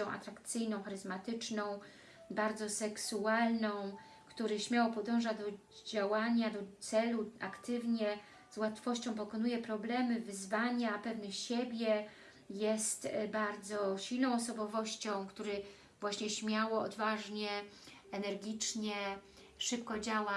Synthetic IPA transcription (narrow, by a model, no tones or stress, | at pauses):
ɔ̃w̃ʔa̰t̪ɾakt̪sɘjnɔ̃w̃xaɾɘzmat̪ɘt͡ʂnɔ̃w̃ | baɾd̪zɔsɛksualnɔ̃w̃ | kt̪uɾɘɕmʲjawɔpɔd̪ɔ̃w̃ʐad̪ɔ | d͡ʑawaɲad̪ɔt̪sɛluakt̪ɘvɲɛ | zwat̪fɔɕt͡ɕɔ̃w̃p̬ɔkɔnujɛpɾɔblɛmɘvɘzvaɲɛapɛvnɘɕebʲjɛ | jɛst̪baɾd̪zɔɕilnɔ̃w̃ɔsɔbɔvɔɕt͡ɕɔ̃w̃kt̪uɾɘ | vwaɕɲɛɕmʲjawɔɔ̰d̪vaʐɲɛ | ɛnɛɾɡʲit͡ʂɲɛ | ʂɘpkɔd͡ʑawa